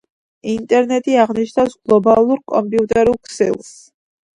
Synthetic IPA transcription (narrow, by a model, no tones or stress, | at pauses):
int̪ʼɛɾnɛt̪ʼiaʁniʃnawsɡ̥lˠɔbalˠuɾkʼɔmpʼiut̪ʼɛɾulˠkʰsɛ̰lˠs